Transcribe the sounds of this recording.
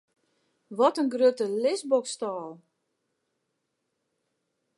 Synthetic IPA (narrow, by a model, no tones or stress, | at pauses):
ʋɔtənɡrøtəlɪsbɔkstɔːlˠ